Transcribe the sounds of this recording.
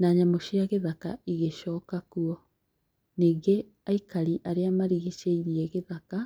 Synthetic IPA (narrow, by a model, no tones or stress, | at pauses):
naːɲamoɕiaɣeðaka̰iɣeɕɔːkakuɔ | niːɡe | aikaɾiʔaɾeamaɾiɣeʃeiɾiɛɣeðaka